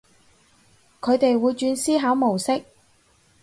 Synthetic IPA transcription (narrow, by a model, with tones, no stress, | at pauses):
kʰɵ˨˧ɥt̪e˨jwuː˨˧jt͡ʃyː˧nsiː˥ɦaː˨˥wmo˨˩wsɪ˥k̚